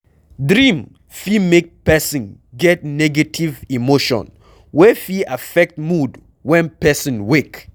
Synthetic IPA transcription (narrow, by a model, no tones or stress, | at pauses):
dɹĩm | fimek̚pɛsĩn | ɡɛt̚nɛɡatʰivimoʃɔ̰̃n | wɛfiafɛk̚t̚mud | wɛ̃npɛsĩnwek